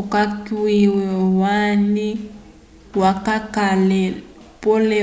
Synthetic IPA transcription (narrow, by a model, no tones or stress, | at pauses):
ʊkakwiwɛwani | wakakalɛ | polɛ